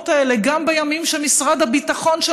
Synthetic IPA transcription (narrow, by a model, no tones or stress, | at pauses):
t̪aeleɡambejamimʃemisʁad̪habitaχo̞nʃe